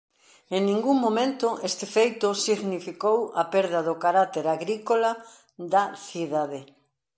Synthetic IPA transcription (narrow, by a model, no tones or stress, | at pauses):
eŋnĩŋɡuŋmomẽnt̪ʊʔest̪ɪfejt̪ʊsiɣnifikowɐpeɾðɐðʊkaɾat̪eɾaɣɾikola | d̪ɐθiðaðe